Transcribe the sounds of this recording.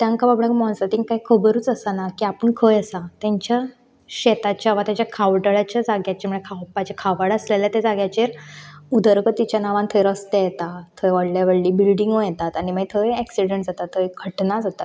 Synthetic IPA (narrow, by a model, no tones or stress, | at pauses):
t̪jãŋkababɽɭakmɔ̃nsat̪iŋɡ̚kaikʰəbəɾuːt͡səsanakiːapəɳkʰəjəsat̪jaɲt͡ɕja | ɕɛt̪at͡ɕjaʋat̪jat͡ɕjakʰaʋʈəɭat͡ɕjad͡zaɡjat͡ɕamuɭekʰawpat͡ɕakʰaʋəɽəsleljat̪ad͡zaɡjat͡ɕeɾud̪ʱəɾɡət̪ːit͡ɕjanaʋãnt̪ʰəjɾəst̪ajɛt̪at̪ʰːəjʋaɽljaʋeɽliːbilɖiŋɡʋəjɛt̪at̪aɽ̃imaɡit̪ʰəeɛksiɽeɳʈd͡zat̪at̪ʰːəkʰəʈnad͡zat̪at̪